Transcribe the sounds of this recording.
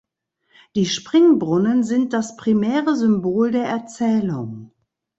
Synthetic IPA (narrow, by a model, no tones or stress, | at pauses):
d̥iːʃpʁ̥ɪŋbʁʊnənzɪnt̚d̥aspʁ̥imɛːʁəzʏmboːldeːɐʔɛɐt͡sɛːlʊ̰ŋ